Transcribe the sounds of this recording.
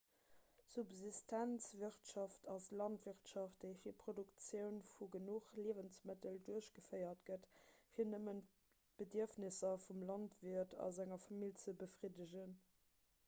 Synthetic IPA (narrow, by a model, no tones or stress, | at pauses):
subzistʰænt͡sviəʁtʃɑftʰɑslɑntv̥iχtʃɑft̚d̥əɪfiːɐpχodukt͡sjəʊnfuɡənuχliəvənsmətəlduɐəɕɡ̥əfəɪɐtɡ̥ətfiːɐnəmən | b̥ədiɐfnisɐfumlɑntviɐtʰɑ̰zæŋɐfɑmilt͡səbəfʁidəʑən